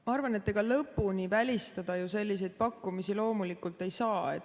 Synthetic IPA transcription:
mɑɑrvɑne̞t̪ːe̞ɡ̥ɑlɤpːunivælʲist̪ɑd̪̥ɑjuse̞lʲːis̬e̞jd̪̥̚pɑkːumisilo̞ːmulikːˑult̪e̞jsɑːe̞̰t̪ː

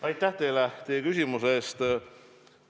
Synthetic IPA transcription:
ɑjt̪ːˑæht̪e̞jlet̪e̞jekysʲimuseeːst̪

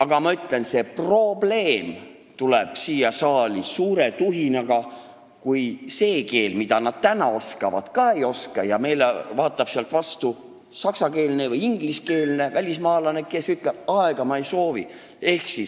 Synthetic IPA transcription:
ɑɡ̥ɑmɑyt̪ːˑle̞nse̞pro̞ble̞ːm | t̪uleb̥siːjɑsɑːlʲisuːɾe̞t̪uɦinɑɡ̥ɑ | kujse̞ːke̞ːlmid̪̥ɑnɑd̪̥̚t̪ænɑo̞skɑvɑ̰d̪̥kɑe̞jo̞skɑjɑme̞jlevɑːt̪ˑːɑb̥seɑlt̪vɑst̪u | sɑksɑke̞ːlne̞vɯjiŋɡ̥liske̞ːlne̞vælʲismɑːlɑne̞kesyt̪ˑleb̥ɑeɡ̥ɑmɑejso̞ːvḭ | e̞hksis

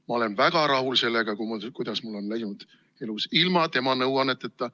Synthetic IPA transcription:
mɑo̞le̞nvæɡ̥ɑɾɑɦulse̞lːeɡ̥ɑkumukujd̪̥ɑsmulːo̞nlæjnud̪̥ | e̞lusilmɑt̪e̞mɑnɤwɑnet̪ːet̪ːɑ

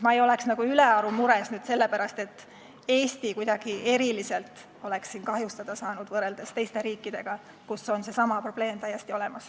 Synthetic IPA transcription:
mɑejo̞le̞ksnɑɡ̥uyle̞ɑɾumuɾe̞snyːd̪̥se̞lːe̞pæɾɑst̪e̞t̪ːˑ | e̞ːsʲt̪ikujd̪ɑɡ̥ie̞ɾilise̞lt̪ | o̞le̞ksːiːnkɑɦjust̪ɑd̪̥ɑsɑːnud̪̥vɤre̞ld̪̥e̞st̪e̞jst̪e̞ɾiːkːˑid̪̥e̞ɡ̥ɑ | kuso̞nse̞sɑmɑpro̞b̥le̞ːmt̪æjːest̪io̞le̞mɑs

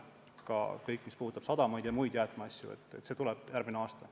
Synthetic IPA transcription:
kɑ̰kɤjkːˑmispuhut̪ːˑɑb̥sɑd̪̥ɑmɑjd̪jɑmujd̪̥jæːt̪ːˑmɑɑsʲjṵḛt̪ːˑḛt̪ːse̞t̪ulɛb̥jærɡmineɑːst̪ɑ

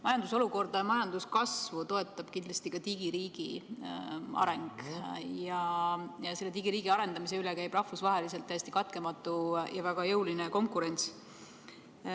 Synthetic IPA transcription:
mɑjɑnd̪uso̞luko̞rd̪ɑjɑmɑjɑnd̪̥uskɑsvut̪o̞e̞t̪ːˑɑb̥kind̪lɑst̪ikɑt̪iɡ̥iɾiːɡ̥i | ʔɑ̰ɾe̞ŋɡ̥jɑjɑse̞lːe̞t̪iɡ̥iɾiːɡ̥iɑɾe̞nd̪ɑmis̬e̞ylekæjb̥rɑhfusvɑɦe̞lise̞lt̪ːæjest̪ikɑt̪̚ke̞mɑt̪ːˑujɑvæɡ̥ɑjɤulineko̞ŋkuɾe̞nt̪s

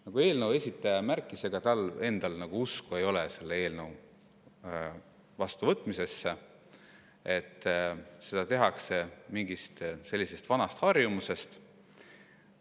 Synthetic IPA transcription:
nɑɡ̥ue̞ːlnəwe̞sʲit̪ːˑɑjɑmærkˑːise̞ɡ̥ɑt̪ɑle̞nd̪̥ɑlnɑɡ̥uuskue̞jo̞lese̞lːee̞ːlnew | vɑst̪uvɤt̪ːˑmise̞sːe | e̞t̪ːse̞d̪ɑt̪e̞ɦɑkse̞miŋɡist̪se̞lːise̞st̪vɑnɑst̪hɑrjumuse̞st̪

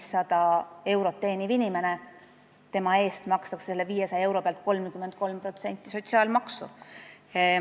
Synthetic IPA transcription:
sːɑd̪̥ɑe̞wɾo̞t̪ːe̞ːnivinʲime̞ne | t̪e̞mɑe̞ːst̪mɑkst̪ɑksse̞lːeviːje̞sɑjɑe̞wɾo̞peɑlt̪̚ko̞lmkyment̪̚ko̞lmpro̞t̪se̞nʲt̪ːˑiso̞t̪ʲsiɑːlmɑksṵ

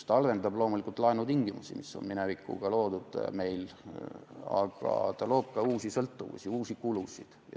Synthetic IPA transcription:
t̪ɑɑlve̞nd̪ɑblo̞ːmulikˑult̪ˑlɑenut̪iŋɡimusḭmisːo̰nminevikːˑṵɡ̥ɑlo̞ːd̪ud̪̥me̞jl | ɑ̰ɡ̥ɑ̰t̪ɑlo̞ːb̥̚kɑuːsisɤlt̪ːuvṵsiuːsikulusḭd̪̥ɑ̰

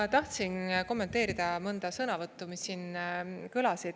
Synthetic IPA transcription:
t̪ɑht̪sinko̞mːet̪e̞ːɾid̪̥ɑmɤnd̪̥ɑsɤnɑvɤt̪ːumisːiːnkɯlɑsid̪

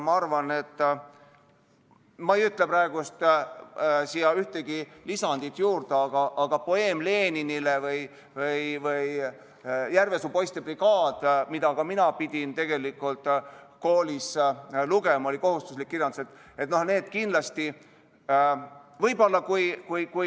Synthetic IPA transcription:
mɑɑrvɑne̞t̪ːˑ | mɑejyt̪ːˑlepɾɑeɡ̥ust̪ | sijɑyht̪eɡ̥ilisɑnd̪̥it̪ˑjuːrd̪̥eɑɡ̥ɑʔɑɡ̥ɑpo̞e̞ːmle̞ːninilevɤj | vɯjvɯj | jærve̞supo̞jst̪ebriɡɑːd̪̥mid̪ɑkɑminɑpid̪̥ʲint̪e̞ɡ̥e̞likːˑult̪ˑko̞ːlʲisluɡe̞mɑo̞lʲiko̞ɦhust̪uslikːirjɑnd̪uset̪ːˑ | et̪no̞hne̞ːd̪̥kinlɑst̪i | vɤjbo̞lːɑkujkujku

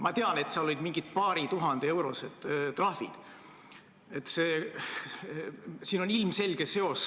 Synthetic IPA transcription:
mɑt̪eɑnet̪siɑlo̞lʲid̪miŋɡ̥it̪̚pɑːɾit̪uɦɑnd̪ee̞wɾo̞̰sed̪̥t̪rɑhḭd̪̥ | et̪ːˑseː | siːno̞nilmse̞lɡ̥ese̞o̞s

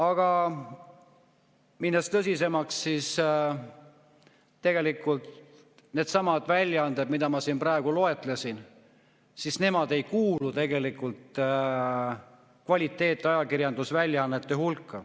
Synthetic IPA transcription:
ɑɡ̥ɑ | minːest̪ɤs̬ʲise̞mɑksːis | t̪ːe̞ɡ̥e̞likːˑult̪ | ne̞ːd̪̥sɑmɑd̪vælʲːjɑɑnd̪ebmid̪̥ɑmɑsiːnprɑeɡ̥ulo̞e̞t̪ˑlesin | sisne̞mɑd̪e̞jkuːlut̪e̞ɡe̞likːult̪ | kvɑlʲit̪ːˑe̞ːt̪ːˑeɑjɑkirjɑnd̪usvælʲjɑɑnːet̪ːe̞hulkːɑ

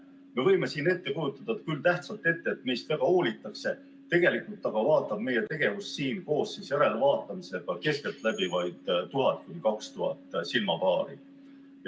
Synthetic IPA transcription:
me̞vɤ̞jme̞siːne̞t̪ːe̞kujut̪ːˑɑd̪ɑt̪̚kylt̪æht̪sɑlt̪ːˑe̞t̪ːe̞ːt̪me̞jst̪væɡ̥ɑoːlʲit̪ːˑɑkse̞ | t̪e̞ɡ̥e̞likult̪ːˑɑɡ̥ɑvɑːt̪ːˑɑb̥̚me̞je̞t̪e̞ɡ̥e̞vussiːnko̞ːssisjæɾe̞levɑːt̪ːˑɑmise̞ɡ̥ɑke̞skelt̪ːˑlæb̥ivɑjd̪̥ːuɦɑt̪̚ːˑkunʲikɑkst̪uɦɑ̰t̪ːˑsilmɑpɑːɾi

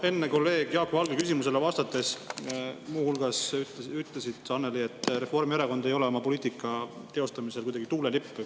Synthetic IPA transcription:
e̞nːeko̞lːe̞ːɡ̥jɑːkːˑovɑlɡekysimus̬e̞levɑst̪ɑt̪ːˑe̞s | muːhulɡ̥ɑsyt̪ˑlesid̪̥sɑne̞lie̞t̪ːˑre̞fo̞rmieɾeko̞nd̪e̞jo̞leomɑpo̞liːt̪ikːˑɑ | t̪e̞o̞st̪ɑmise̞lkujd̪ɑɡ̥it̪uːlelipː

